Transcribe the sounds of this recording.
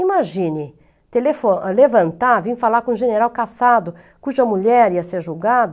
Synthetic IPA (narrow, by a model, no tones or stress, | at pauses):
imaʒĩnɪ | t̪elefolevɐ̃nt̪avĩfalakõũʒeneɾawkasad̪ʊ | kuʒɐmuʎɛɾiɐseɾʒuwɡad̪